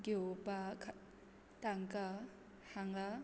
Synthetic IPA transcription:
ɡepakʰ | t̪aŋka | haŋla

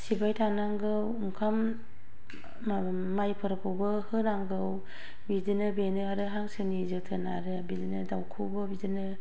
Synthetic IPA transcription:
sibajtʰanaŋɡɯwuŋkʰam | majpʰɯɾpʰɯwbɯhɯnaŋɡɯw | bidɯnɯbenɯaɾɯɦaŋsɯnizɯtʰɯna̰ɾɯbidɯnɯdawkʰɯbɯbidɯnɯ

